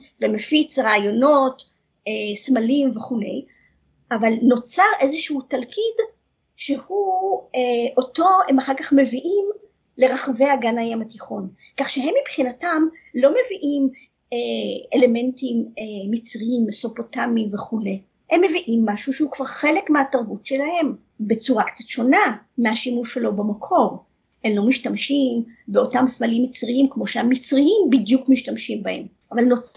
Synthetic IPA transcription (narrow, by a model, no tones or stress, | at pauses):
vemefit͡sʁaːjono̞t | esmalimveχule̞̰j | ʔavalno̞t͡saʁʔe̞zeʃuutalkid | ʃehueʔo̞to̞hemaχaʁkaχme̞viʔim | le̞ʁaχave̞haɡanajamatiχo̞n | kaχʃeɦe̞mːipχinatam | lo̞me̞viʔim | eele̞me̞ntimːit͡sʁiimso̞po̞tamimve̞χule̞ | hemːe̞viʔimːaʃuʃeukv̥aʁχe̞le̞kmeataʁbutʃelahe̞m | be̞t͡suʁakt͡satʃo̞namehaʃimuʃelo̞bamakʰo̞ʁ | emlo̞miʃtamʃimbeo̞tamsmalimːit͡sʁiimkmo̞ʃeamit͡sʁiimbidjukmiʃtamʃimbahe̞̰m | ʔavalnot͡s